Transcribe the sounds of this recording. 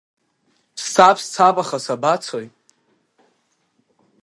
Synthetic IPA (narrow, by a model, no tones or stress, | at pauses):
pʰssapʰst͡sʰapʼaχasabat͡sʰojtʼ